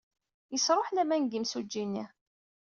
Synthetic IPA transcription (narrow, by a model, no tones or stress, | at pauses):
jəsɾˤoħlæmænɡimsud͡ʒːinːi